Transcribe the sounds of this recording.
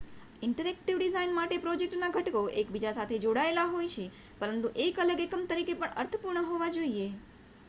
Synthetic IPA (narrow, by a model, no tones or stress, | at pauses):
ɪɳʈəɾɛk̚ʈiʋɖizainmaʈepɾɔd͡ʒek̚ʈnaɡʱəʈkoʔekbid͡ʒasat̪ʰed͡ʒoɽaelaɦojt͡ʃʰe | pəɾənt̪uʔekələɡekəmt̪əɾikepəɳə̰ɾt̪ʰəpuɾɳəɦoʋad͡ʒoie